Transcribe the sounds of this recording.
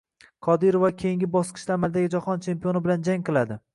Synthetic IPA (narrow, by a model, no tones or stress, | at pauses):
qʰɒd̪ɪɾovakʲʰejɪŋɡʲɪbɒsqʰɨ̥ʃt̪aːmald̪aɡʲɪd͡ʒaχɒnt͡ʃʰe̞mpijonɪbɪland͡ʒaŋʲqɨlˠad̪ɪ